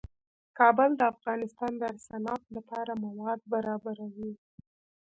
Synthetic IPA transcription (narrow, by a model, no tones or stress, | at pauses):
kɑbəld̪əafɣɑnɪst̪ɑnd̪əaɾsanɑt̪lapɑɾamawɑd̪̚baɾɑbaɾawi